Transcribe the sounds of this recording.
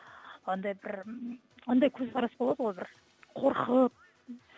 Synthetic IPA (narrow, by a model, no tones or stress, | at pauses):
ɑnd̪ɑjbɪɾ | ɑnd̪ɑjkʲʰɵzqɑɾɑsbolˠɑd̪əʁojbɪɾ | qʰo̞ɾqʰəp̚